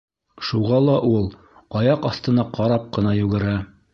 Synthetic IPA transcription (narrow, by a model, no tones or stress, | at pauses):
ʃuʁɑlˠɑʔulˠ | ɑjɑqɑθt̪ɤ̆nɑqɑɾɑp̚qɤ̆nɑjʉɡɘ̆ɾæ